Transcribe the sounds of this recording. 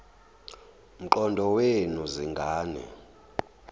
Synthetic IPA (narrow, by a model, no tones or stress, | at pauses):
m̩ǃɔndʱɔwenuziŋɡʱaːnɛ̰